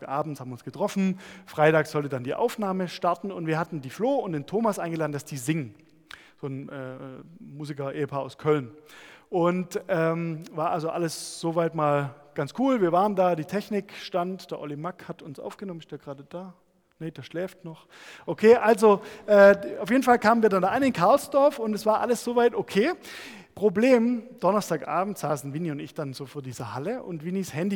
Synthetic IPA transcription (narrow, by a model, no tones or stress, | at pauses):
ʔaːbm̩thaːbm̩vɪʊnsɡ̥ətʁ̥ɔfn̩fʁ̥aɪtaːksz̥ɔltədandiːʔa̰ʊfnaːməʃtaɐtn̩ʊ̰ntv̥iːɐɦatn̩diːfloːʊntd̥eːntʰoːmasʔaɪnɡəlaːdn̩dasd̥iːzɪŋən | z̥oːnʔɛ̰ːɛmuːzɪkɐʔeːəpʰaːɐaʊskʰœlnʔʊntʔɛːmvaːɐʔalzoʔaləsz̥ovaɪtmaːlɡ̥ant͡skʰuːlviːɐvaːʁəndaːdiːtʰɛçnɪkʃtantd̥eːɐʔɔ̰limakhatʊnsʔa̰ʊfɡ̥ənɔmən̩ɪstjaːɡʁaːdəd̥aː | ned̥eːɐʃlɛːftnɔχ | ʔokʰeːʔalzoʔɛːaʊfjeːdn̩falkʰaːmənviːɐdandaːʔaɪnɪnkʰaɐlsd̥ɔɐfʊntɛsv̥aːɐʔaləsz̥ovaɪtokʰeː | pʁ̥obleːmd̥ɔnɐstaːkʔa̰ːbm̩tz̥aːsn̩viːniʊntɪçd̥anzoːfoːɐdiːzɐhaləʔʊ̰ntv̥inishɛndi